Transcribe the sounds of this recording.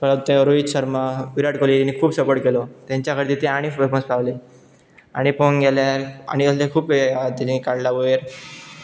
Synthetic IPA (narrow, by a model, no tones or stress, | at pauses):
pə̃t̪ẽɾoisəɾmaʋiɾaʈkolit̪nːikʰuːbsəpəʈkelɔt̪jãɲt͡ɕjakʰəɾd̪it̪ẽaɽ̃ifpənspaʋle | a̰ɽ̃ipoŋɡeljaɾa̰ɽ̃iəslekʰuːpʋeat̪enːikaɽlaʋoeɾ